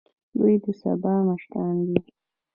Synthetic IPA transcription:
d̪ujd̪əsa̰bɑnaʃʈand̪i

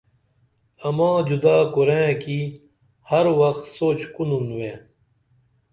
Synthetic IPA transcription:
ɐmãːd͡ʑud̪aːkuɾẽːkiː | hɐɾwɐxt̪soːt͡ɕkununwẽː

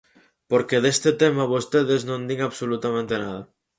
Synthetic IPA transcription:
poɾkeðest̪et̪emaβost̪eðeznõnd̪iŋaβsolut̪amẽnt̪enað̞a

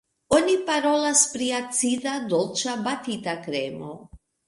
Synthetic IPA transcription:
onʲipaɾɔlaspɾijat̪sid̪ad̪ɔlˠt͡ʃabat̪it̪akɾɛmo̰

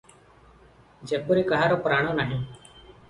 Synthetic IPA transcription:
d͡ʒeːpʊːɾiːkəɦaːɾoːpɾaːɳ̃õːnaːɦĩː

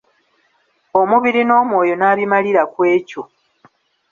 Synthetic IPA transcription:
o̞muβiɾino̞ːmwo̞ːjo̞naːβimaliɾakwe̞ːco

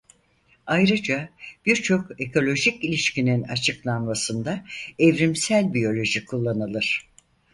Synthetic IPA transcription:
ajɾɯd͡ʒab̥iɾt͡ʃʰo̞ke̞kʰo̞lʲo̞ʒicilʲiʃcinina̰t͡ʃʰɯklˠanmasɯnd̪aɛvɾimsælʲbijo̞lʲo̞ʒikʰulˠːanɯlˠɯɾ̝̥

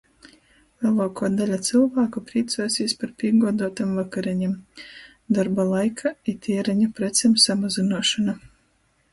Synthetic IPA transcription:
lʲɛlˠoːkʰɔːd̪alʲat̪sɨlˠvaːkupɾiːt̪suːsʲiːsʲpaɾpʲiɛɡuɔd̪uɔt̪amvakaɾʲɛɲɛm | d̪aɾbalˠajkʰait̪ʲʰiɛɾaɲapɾɛt̪sʲemsamazinuɔʃana

